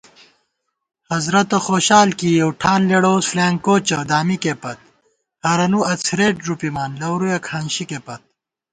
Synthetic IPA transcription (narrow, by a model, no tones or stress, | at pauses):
hɐzɾɐt̪ɐxoːɕaːlkijɐwʈʰaːnleɽoːsflaːŋkoːt͡ɕɐd̪aːmikepɐt̪̚ | hɐɾɐnuɐt͡sʰɾeːʈ̚ɾupimaːnlɐwɾujɐkʰhɐnɕikepɐt̪̚